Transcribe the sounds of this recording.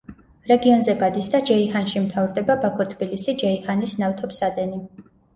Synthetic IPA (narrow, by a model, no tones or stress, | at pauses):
ɾɛɡiɔnzɛɡad̪isd̪ad͡ʒɛihanʃimt̪ʰavɾd̪ɛbabakʰɔt̪ʰbilisid͡ʒɛihanisnaft̪ʰɔpsad̪ɛni